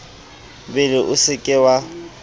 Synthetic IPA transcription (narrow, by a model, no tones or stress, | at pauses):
bɪlɪʔʊsɪkʼɪwa